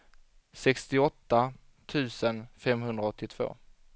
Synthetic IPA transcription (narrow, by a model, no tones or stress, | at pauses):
sɛkst̪ɪɔt̪ːa | t̪ʰʉ̟ːsənfɛmɦɵnd̪ɾaɔt̪ʰːɪt̪ʰv̥o̰ː